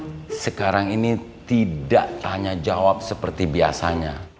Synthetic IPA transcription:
səkaɾaŋinit̪idaʔt̪aɲad͡ʒawap̚səpərt̪ibia̰saɲa

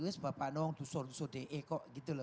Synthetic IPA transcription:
wesbapanɔwɔŋd̪usɔrd̪usɔdeʔekɔʔɡit̪ul

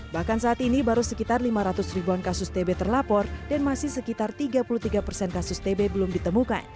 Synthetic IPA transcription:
bahkansaːt̪inibaɾusəkit̪arlimaɾat̪ʊsribuankasʊst̪ebɛt̪ərlapɔrdanmasɪhsəkit̪art̪iɡapuluht̪iɡapərsɛnkasʊst̪ebɛbəlʊmdit̪əmuka̰n

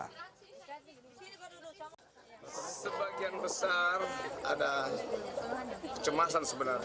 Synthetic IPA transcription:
səbaɡianbəsara̰da | kət͡ʃəmasansəbənar

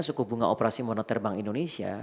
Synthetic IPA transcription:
sukubuŋaʔopeɾasimɔnat̪ɛrbaŋindonesia̰

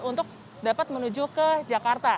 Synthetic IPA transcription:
unt̪ʊk̚ | dapat̪̚mənud͡ʒukəd͡ʒakart̪a

